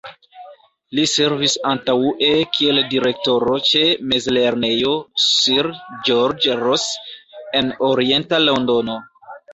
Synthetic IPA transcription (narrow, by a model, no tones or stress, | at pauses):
lise̞ɾvisantaʔe̞kʰie̞ldiɾe̞k̚to̞ɾo̞t͡ʃe̞mezle̞ɾne̞jo̞siɾd͡ʒoɾd͡ʒɾose̞noɾie̞ntalo̞ndo̞no̞